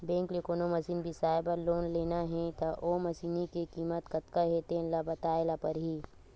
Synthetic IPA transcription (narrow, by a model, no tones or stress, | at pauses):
bẽːŋklekoːnomɐsiːnbʱisaːɪbəɾloːnleːnaɦɛ̃t̪ɐʔoːmɐsiːnikekiːmət̪kɐt̪kaɦeːt̪ẽlabɐt̪aːelapɐɾɦiː